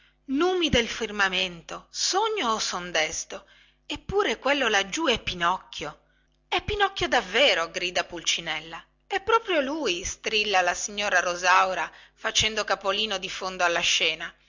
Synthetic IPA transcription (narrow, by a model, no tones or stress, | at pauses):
nuːmid̪elfirmament̪osoɲːoːsond̪ɛst̪o | epːuːɾekwelːolad͡ʒːuɛpːinɔkːjo | ɛpːinɔkːjod̪avːeːɾoɡɾiːd̪apult͡ʃinɛlːa | ɛpːɾɔːpɾjoluːjst̪ɾilːalasiɲːoːɾaɾozawɾafat͡ʃɛnd̪okapoliːnod̪ifond̪oalːaʃːɛːna